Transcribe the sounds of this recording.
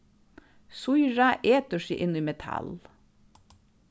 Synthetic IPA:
sʊjɹɑʔeːt̪əʃḭʔɪniːmɛt̪ʰɑ̰l

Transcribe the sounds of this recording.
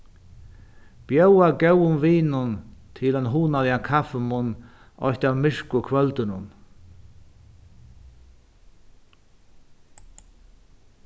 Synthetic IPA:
b̥jœwaɡɛwʊnviːnʊnt̪ʰɪlɛnɦuːnalɪakʰafɪmʊnː | ʔɔ̰jht̪awmɪʂkʊkʰvœlt̪ɪnʊ̰n

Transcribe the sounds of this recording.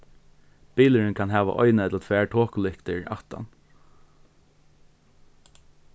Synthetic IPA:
b̥iːləɾɪnkʰaːnɦæːʋa̰ʔɔ̰ʏnaɛt̪lat̪ʰʋæːɹtʰoːkʊlɪhkt̪ʰɪɹa̰ht̪a̰n

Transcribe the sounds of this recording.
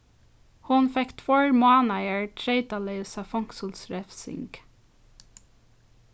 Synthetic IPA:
hʊnfɛkt̪ʰvoːɹmɑːnajəɹtʰɾeɪt̪aleɪsafɔŋksɔlsɹɛfsɪ̰ŋk

